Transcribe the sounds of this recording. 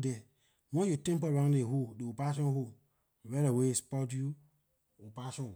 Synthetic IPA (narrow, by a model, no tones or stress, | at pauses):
dɛ | wɔ̃jutɛ̃mpɔãdehodeopaʃ̬ɔ̃ho | wɛɾawespɔt̬ju | opaʃɔ̃